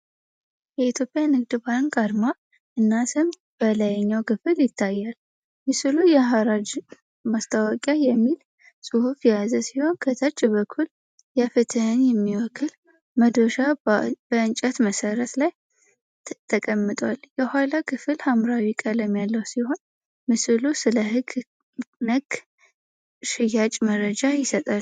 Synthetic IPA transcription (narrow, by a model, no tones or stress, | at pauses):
jɛit̪ʰjo̞pʼjanɨɡd̪ɨbanɡʼaɾma | ʔɨnːasʰɨm | b̥əlajɛɲːawkʰɨfɨljɪt̪ʰːajːal | mɨsilujɛɦaɾad͡ʒ | mast̪ʰawɔkʼjajɛmːil | sʼuhufijazəsiho̞nkʰət̪ʰəɾt͡ʃʼːβəkʰːul | jɛfɨt̪ʰɨhnjɛmːiwɔkʰːɨl | məd̪oʃab̥əɨnt͡ʃʼɛt̪məsəɾət̪laj | t̪ʰəkʼəmːɨt̪ʼwaljɛhʷalakʰɨfɨlhamɾawikʼələmjalːəwsiho̞n | mɨsɨlusɨləhɨɡ | nəɡ | ʃɨjat͡ʃʼməɾəd͡ʒajɪsət̪ʼal